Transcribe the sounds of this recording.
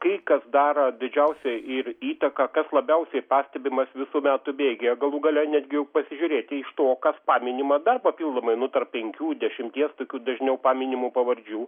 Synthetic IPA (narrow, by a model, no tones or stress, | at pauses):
kɐɪkɐsd̪ɑːɾɐd̪ʲɪd͡ʒʲɛʊsʲɛɪriːt̪ɐkɐkɐslˠɐbʲɛʊsʲɛɪpɑːsʲt̪ʲɛbʲɪmɐsʋʲɪsuːmʲæːt̪ʊbʲeːɡʲɛjɛɡɐlˠuːɡɐlʲɛnʲæːd̪ʲɡʲɪjɛʊpɐsʲɪʒʲʊɾʲeːt̪ʲɪɪʃt̪oːkɐspɑːmʲɪnʲɪmɐd̪ɐrpɐpʲiːlˠd̪oːmɐɪnʊt̪ɐrp̚ʲpʲɛŋʲkʲuːdʲɛʃʲɪmʲt̪ʲiɛst̪oːkʲuːd̪ɐʒʲnʲɛʊpɑːmʲɪnʲɪmupɐʋɐɾʲd͡ʒʲuː